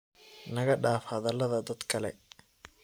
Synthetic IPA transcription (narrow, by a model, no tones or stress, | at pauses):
nɐɣɐɖaːfhɐðɐlɐðɐd̪ɐd̪kʰɐlɛ̰